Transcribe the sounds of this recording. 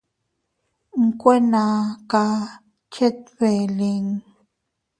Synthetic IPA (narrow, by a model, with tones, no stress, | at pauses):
ŋ̩˦kʷe˦nã˧˨ka˧ | t͡ʃe˦t̪̚be˨li˧ŋ